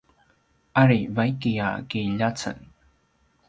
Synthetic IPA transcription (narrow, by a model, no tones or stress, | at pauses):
ʔaɾivajkija̰kiʎat͡sə̰n